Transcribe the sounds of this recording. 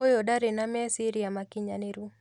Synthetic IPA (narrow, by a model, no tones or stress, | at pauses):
ojodaɾenamɛsiɾiamakiɲaneɾu